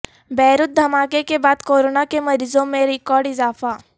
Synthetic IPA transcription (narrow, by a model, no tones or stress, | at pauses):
bɛːɾʊt̪̚d̪ʱɐmaːkekebaːd̪koːɾoːnakemɐɾiːzõmẽɾɪkɔːɾɖɪzaːfaː